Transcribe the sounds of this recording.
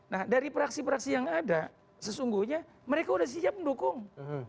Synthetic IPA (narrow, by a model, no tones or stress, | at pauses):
nahdaɾipəɾaksipəɾaksijaŋada | səsuŋɡuhɲa | məɾekaudahs̬id͡ʒap̚məndokʊŋ